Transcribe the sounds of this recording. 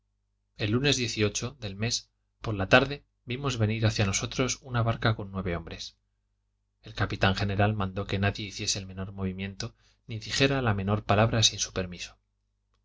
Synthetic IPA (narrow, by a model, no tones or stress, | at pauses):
e̞lːune̞zðje̞θio̞t͡ʃo̞ðe̞lme̞s | poɾlat̪aɾðe̞ | bimo̞zβe̞niɾaθjano̞so̞t̪ɾo̞sunaβaɾkako̞nːwe̞β̞e̞õ̞mbɾe̞s | e̞lkapit̪aŋxe̞ne̞ɾalmãnd̪o̞ke̞naðje̞iθje̞se̞ːlmẽ̞no̞ɾmo̞β̞imjẽ̞nt̪o̞ | niðixe̞ɾalame̞no̞ɾpalaβɾasinsu̥pe̞ɾmiso̥